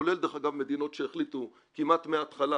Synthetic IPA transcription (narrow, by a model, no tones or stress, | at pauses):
ole̞ld̪eχaɡavme̞d̪ino̞tʃeːχlit̪u | kimat̪meaːt̪χala